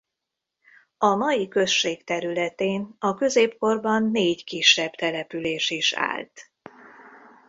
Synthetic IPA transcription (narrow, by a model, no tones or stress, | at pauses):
ɒnɒjikø̞sʃeːkt̪ɛɾylɛt̪eːnɒkø̞zeːpko̞rbɒnːeːɟkiʃːɛbt̪ɛlɛpyleːʃiʃa̰ːlt̪